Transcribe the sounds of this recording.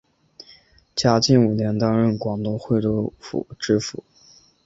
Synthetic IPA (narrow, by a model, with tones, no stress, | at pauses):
t͡ɕja˥t͡ɕi˥˩nu˨˩njɛ˧˥nt̪ɑ˥ŋɻə˥˩nkwɑ˨˩ŋt̪ʊ˥˧ŋxwe˥˩ɪt̪o˥˩fṵ˨˩˦ʈ͡ʂɻ̩˥fṵ˨˩˦